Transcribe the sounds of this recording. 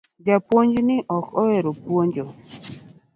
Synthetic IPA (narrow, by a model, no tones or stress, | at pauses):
d͡ʒapwoɲd͡ʒnɪʔɔkɔɛɾopwoɲd͡ʒɔ